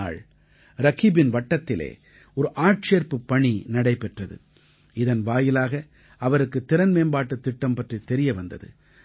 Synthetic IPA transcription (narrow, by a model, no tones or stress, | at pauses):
a̰ːɭ | ɾɐɣibɪnʋɐʈːɐt̪ːɪlḛː | ɔɾɯʔaːʈ̚t͡ʃeːɾpɯpːɐɳinɐɽɐɪpɛʈrɐðɯ̰ | ɪðɐnʋaːjɪlaːɣɐ | ɐʋɐɾɯkːɯt̪ːɪɾɐnmeːmbaːʈːɐt̪ːɪʈːɐmpɐʈrit̪ːɛɾɪjɐʋɐnd̪ɐðɯ̰